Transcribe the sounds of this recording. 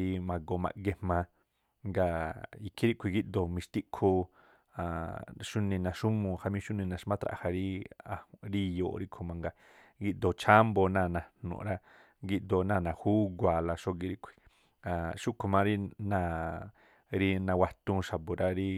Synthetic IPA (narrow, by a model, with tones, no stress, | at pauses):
i˧mã˧ɡo˧˨mã̰˧ʔɡe˧mã˧ | ŋɡa˧i˧kʰi˦ɾi˦kʰʷi˧ɡi˦ʔd̪o˧˨mĩ˧ʃt̪i˦ʔkʰo˧ | a˨ʃu˦nĩ˧nã˨˧ʃu˦mũ˧ha˧mĩ˦ʃu˦nĩ˧˨nã˨ʃmã˦t̪ɾa̰˧˨ha˧ɾi˦a˧ɾi˦jo̰ː˧˨˧ɾi˦kʰo˧mã˧ŋɡa˧ | ɡi˧ʔd̪o˨t͡ʃʰa˦mbo˧nãː˦˨nã˧n̥nṵ̃˨˧ɾa˦ | ɡi˧ʔd̪o˧˨˧nãː˦˨nã˨hu˦ɡʷa˨la˧ʃo˧ɡi˧ɾi˦kʷʰi̥˨ | ã˨ʃu˦kʰo˧mã˧˦ɾi˦nã˧˨ | ɾi˧nã˧wa˧t̪ũ˧ʃa˨bo˨ɾa˧ɾi˦